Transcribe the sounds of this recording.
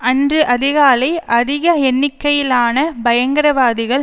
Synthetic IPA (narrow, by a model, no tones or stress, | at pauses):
ɐndrɯʔɐðɪɣaːlɐɪʔɐðɪɣɐɛnːɪkːɐjɪlaːnɐbɐjɐŋɡɐɾɐʋaːðɪɣɐɭ